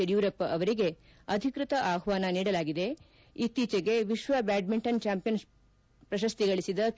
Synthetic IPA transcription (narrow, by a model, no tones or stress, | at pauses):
ɐjuːɾɐpɐʋɐɾiɡe̞ | ɐd̪ʱikɾut̪ɐʔaːɦʋaːnɐniːɽɐlaːɡid̪e̞ | it̪iːt͡ʃɐɡe̞ʋiʃʋɐbaːɖ̚miɳʈɐnt͡ʃaːmpijɐns | pɾɐʃɐst̪iɡɐɭisid̪ɐ